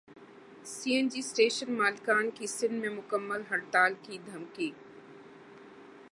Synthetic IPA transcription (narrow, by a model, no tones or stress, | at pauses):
siːend͡ʒiːsʈeːʃənmaːlkaːnkisɪ̃nmẽmʊkəmːəlɦɐɽt̪aːlkid̪ʱɐmkiː